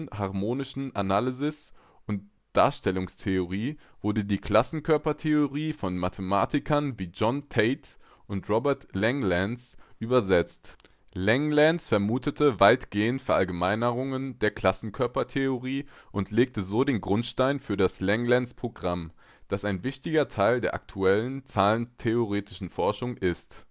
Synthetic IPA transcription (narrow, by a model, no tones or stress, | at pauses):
haʁmoːnɪʃn̩analizɪs | ʔʊnt | d̥a̰ːɐʃtɛlʊŋstʰeoʁiːv̥ʊɐdədiːkʰl̥asn̩kʰœɐpɐtʰeoʁiːfɔnmatʰəmaːtɪkʰɐnviːd͡ʒɔntʰɛɪt | ʔʊntʁɔbɛɐtlɛŋlɛnsʔyːbɐzɛt͡st | lɛŋlɛnsfɛɐmuːtətʰəvaɪtɡ̥eːəntfɛɐʔalɡəmaɪnəʁʊŋəndeːɐkl̥asn̩kʰœɐpɐtʰeoʁiːʔʊntʰleːk̚təzoːdeːnɡʁʊntʃtaɪnfyːɐdaslɛŋlɛnspʁ̥oɡʁam | d̥asaɪnvɪçtɪɡɐtʰaɪldeːɐʔa̰k̚tʰuɛlənt͡saːləntʰeoʁeːtɪʃn̩fɔɐʃʊŋʔɪst